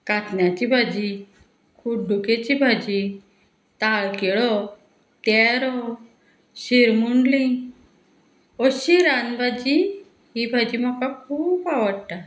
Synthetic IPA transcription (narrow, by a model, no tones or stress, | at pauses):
kat̪njat͡ɕibʱad͡ʑi | kʰuɖʱuket͡ɕibʱad͡ʑi | t̪aɭkeɭɔ | t̪ɛɾɔ | ɕiɾmuɳɖlĩ | ɔɕiɾanbʱad͡ʑi | ɦibʱad͡ʑimɔkakʰuːbaʋəɽʈa